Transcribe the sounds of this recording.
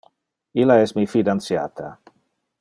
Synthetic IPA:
ilaɛsmifid̪ant̪sja̰ːt̪ʰa̰

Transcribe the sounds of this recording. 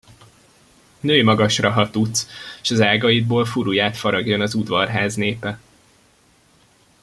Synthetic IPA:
nøːjmɒɡɒʃrɒɦɒt̪ut̪seʃɒzaːɡɒjid̪̚boːlfuɾujaːt̪fɒɾɒɡjo̞nɒzud̪ʋɒrɦaːzneːpɛ

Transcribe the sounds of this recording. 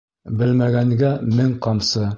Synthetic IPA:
bɘlmæɡæŋɡæmɘŋqɑmsɤ

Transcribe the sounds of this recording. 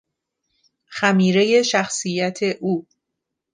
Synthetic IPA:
xæmiːɾe̞je̞ʃæxsijæt̪ʰe̞ʔuː

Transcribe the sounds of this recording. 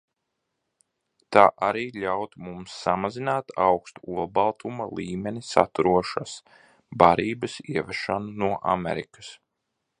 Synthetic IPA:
t̪aːʔaɾiːʎawt̪mumsːamazinaːt̪awkst̪uulˠbalˠt̪ʰumalˠiːmʲenisa̰t̪uɾuɔʃas | baɾiːbɐsiɛvɛʃanunuɔʔa̰mʲɛ̰ɾḭkə̥s

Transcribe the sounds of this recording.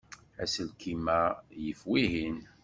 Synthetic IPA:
æsəlkʰimæjəfwiɦin

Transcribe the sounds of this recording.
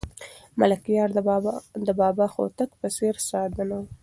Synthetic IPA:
malakijɑɾd̪əbɑbɑxo̰t̪akpəseɾsɑd̪ənaw

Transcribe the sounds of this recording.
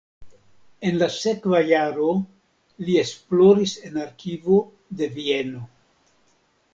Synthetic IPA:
e̞nlase̞kvajaɾo̞ | liesplo̞ɾise̞naɾkivo | d̪e̞vieno̞

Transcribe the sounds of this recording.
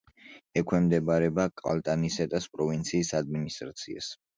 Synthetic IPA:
ɛkʰwɛmd̪ɛbaɾɛbakʼa̰lˠt̪ʼanisɛt̪ʼaspʼɾɔvint̪sʰiːsad̪̚minist̪ʼɾat̪sʰia̰s

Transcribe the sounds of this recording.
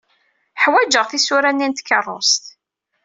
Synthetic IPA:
ħwæd͡ʒəʁθisʊɾænːint̪kːərˤːʊ̰st̪

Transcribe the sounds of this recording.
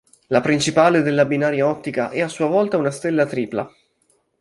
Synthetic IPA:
lapɾint͡ʃipaːled̪elːabinaːɾjaɔt̪ːikaʔɛasːuːavɔlt̪aunast̪elːat̪ɾiːpla̰

